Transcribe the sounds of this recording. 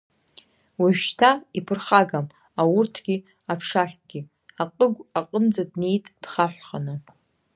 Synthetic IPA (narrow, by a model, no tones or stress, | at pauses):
waʃtʰaipʰɨrχaɡam | awʊrtʰɡ̥ʲi | apʰʂaɬt̚ʰʼɡ̥ʲi | aqʼəɡʷaqʼənd͡zadne̞jtʼd̥χaħʷχanɨ